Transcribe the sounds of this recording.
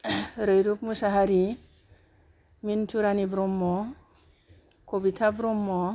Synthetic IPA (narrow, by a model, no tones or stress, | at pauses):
ɾɯjɾupmusaɦaɾi | mintʰuɾanibɾɔmːɔ | kobit̪ʰabɾɔmːɔ